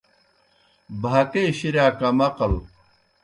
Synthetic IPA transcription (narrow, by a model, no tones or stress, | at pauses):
bʱat̪eːɕiɾjaːkɐmɐqɐl